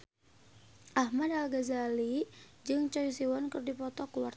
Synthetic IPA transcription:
ʔahmadalɡazalid͡ʒɨŋt͡ʃɔjsiwankɨrdipɔt̪ɔkuwart̪

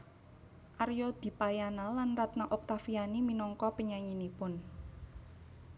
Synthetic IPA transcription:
ʔarjɔd̪̥i̤pajanalanrat̪naʔɔk̚t̪afianiminɔŋkɔpəɲaɲinipʊn

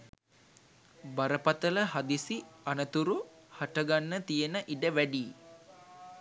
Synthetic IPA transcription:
baɾəpat̪ələɦad̪isianət̪uɾu | haʈəɡanːət̪ijənəʔiɖəʋæɖiː

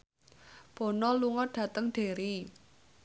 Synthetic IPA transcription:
b̥o̤nɔluŋɔɖ̥ä̤t̪əŋɖ̥e̤ɾi

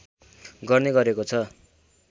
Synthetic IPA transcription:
ɡʌrneɡʌɾekot͡sʰʌ

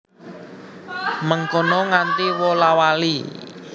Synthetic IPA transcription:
məŋkɔnɔŋant̪iwɔlawali

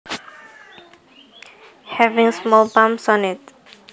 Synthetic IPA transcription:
hɛvĩŋsmɔlbãmsɔ̃nit

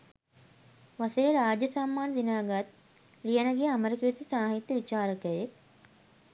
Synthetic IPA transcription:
ʋaseɾiɾaːd͡ʒjɐsamːaːnəd̪inaːɡat̪̚ | lijɐnɐɡejɐməɾəkiːɾt̪isaːɦit̪ːəʋit͡ʃaːɾəkəjek̚

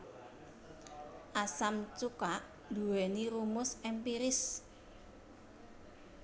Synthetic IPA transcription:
ʔasamt͡ʃukaʔ | d̪̥ṳweniɾumʊsɛmpiɾɪs

